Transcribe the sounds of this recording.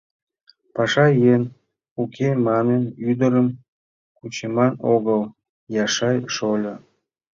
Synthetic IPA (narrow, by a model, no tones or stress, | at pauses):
pɑʃɑjen | ukʰemɑnənyd̪əɾəm | kut͡ɕemɑnoɣəl | jɑʃɑjʃolʲə